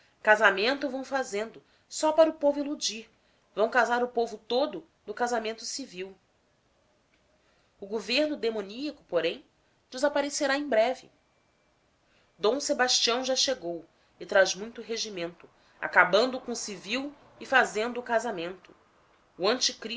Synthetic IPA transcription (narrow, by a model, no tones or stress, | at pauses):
kazamẽnt̪ʊvɐ̃w̃fazẽnd̪ʊ | sɔpaɾʊpovʊilud͡ʒiɾ | vɐ̃w̃kazaɾʊpovʊt̪od̪ʊ | nʊkazamẽnt̪ʊsiviw | ʊɡoveɾnʊd̪emõniɐkʊ̥poɾẽj̃ | d͡ʒɪzapaɾeseɾaẽj̃bɾɛvɪ | d̪õw̃sebaʃt͡ʃiɐ̃w̃ʒaʃeɡow | ɪt̪ɾazmũj̃t̪ʊɦeʒimẽnt̪ʊ | a̰kabɐ̃nd̪ʊkõʊsiviw | ɪfazẽnd̪ʊːkazamẽnt̪ʊ̥ | uɐ̃nt͡ʃikɾi